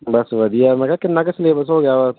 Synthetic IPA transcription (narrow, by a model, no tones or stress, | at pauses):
bɐsʋɐd̪ijamɛ̃kakɪnːak̬ɐsɪleːbəs̬ɦoːɡɐjaʋa